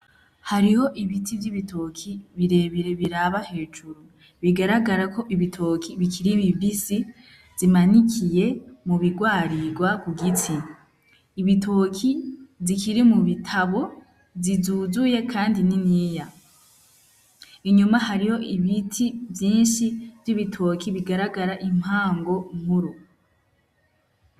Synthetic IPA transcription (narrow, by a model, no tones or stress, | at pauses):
haɾiho̞ʔiβitivjiβitʰo̞kʰiβiɾe̞βiɾe̞βiɾaβahe̞ːd͡ʒuɾu | βiɡaɾaɡaɾakʰo̞ʔiβitʰo̞kʰiβikʰiɾiβibisi | zimanikʰije̞muβiɡwaːɾiɡwakuɡit͡siː | βitʰo̞kʰizikʰiɾimuβitʰaβo̞ | zizuzuje̞kʰaːndininiːja | iɲumahaɾiho̞ʔiβitʰivjiːnʃivjiβitʰo̞ːkʰiβiɡaɾaɡaɾaʔim̥haːŋɡo̞mhuɾu